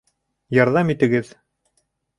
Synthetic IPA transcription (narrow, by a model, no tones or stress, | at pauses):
jɑɾðɑmit̪ɘ̆ɡɘð